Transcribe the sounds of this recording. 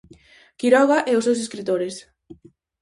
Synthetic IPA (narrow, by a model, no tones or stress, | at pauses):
kiɾɔɣaʔɛʊsewseskɾit̪oɾes